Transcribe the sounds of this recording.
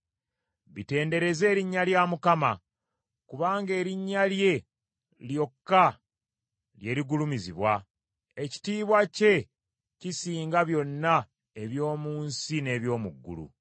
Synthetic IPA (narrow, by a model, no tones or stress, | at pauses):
βite̞ːnde̞ɾe̞ze̞ːɾiɲːaljamukama | kuβaːŋɡe̞ːɾiɲːalje̞ | ljo̞kːa | lje̞ɾiɡulumiziβwa | eci̥tiːβwace̞ | cisiːŋɡaβjo̞nːa | e̞βjo̞ːmuːnsine̞ːβjo̞ːmuɡːṵlṵ